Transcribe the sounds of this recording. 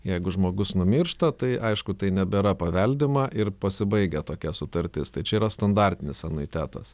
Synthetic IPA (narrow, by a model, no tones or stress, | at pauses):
jɛɪɡʊʒmoːɡʊsnʊmʲɪrʃt̪ɐt̪ɐɪʔɐɪʃkʊt̪ɐɪnʲɛbʲɛɾɐpɐʋʲɛlʲd̪ʲɪmɐʔɪrpɐsʲɪbɐɪɡʲɛt̪oːkʲɛsʊt̪ɐɾʲt̪ʲɪst̪ɐɪt͡ʃʲɛiːɾɐst̪ɐnd̪ɑɾʲt̪ʲɪnʲɪsɐnʊɪt̪ʲæːt̪ɐ̰s